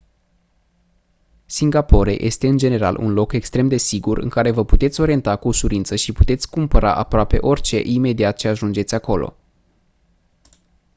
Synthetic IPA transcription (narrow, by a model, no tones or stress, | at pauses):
siŋɡapo̞ɾe̞̰jʔe̞̰st̪e̞ɨnd͡ʒe̞ne̞ɾa̰lʔṵnlo̞ke̞kst̪ɾe̞md̪e̞siɡurɨ̰ŋkaɾe̞vəput̪e̞t̪sʲo̞ɾient̪akuosuɾint̪səʃiput̪e̞t̪sʲkumpəɾa̰ʔapɾoape̞̰ʔo̞rʲt͡ʃe̞̰ʔime̞d̪iat̪̚t͡ʃe̞aʒund͡ʒet̪sʲako̞lo̞̰